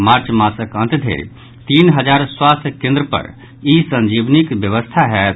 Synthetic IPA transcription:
maɾt͡ʃmasəkə̃nt̪d̪ʱḛɾ | t̪inɦəd͡ʒaɾswast̪ʰəkẽnd̪ɾəpə̰ɾ | isə̃nd͡ʒibnikbjəʋəst̪ʰaɦɛ

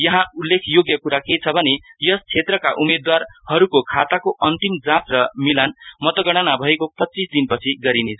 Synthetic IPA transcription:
jʌɦãulːekʰjoɡjʌkuɾaket͡sʰʌbʱʌnejʌst͡sʰet̪rʌkaʔumed̪warhʌɾukokʰat̪akoʌnt̪imd͡zãtrʌmilanmʌt̪ʌɡʌɽ̃ʌnabʱʌekopʌt͡sːisd̪inpʌt͡sʰiɡʌɾinet͡sʰ

